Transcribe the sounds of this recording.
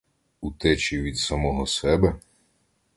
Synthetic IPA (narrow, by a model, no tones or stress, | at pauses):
ut̪ɛt͡ʃiʋʲid̪sɐmɔɦɔsɛbɛ